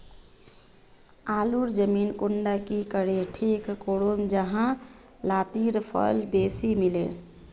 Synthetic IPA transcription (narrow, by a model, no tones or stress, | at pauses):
aːluɾd͡ʒəmiːnkuɳɖakikəɽeʈʰiːkːoɽond͡ʒəɦã | laːt̪iɾpʰə̰d͡ʒbeːsimilẽː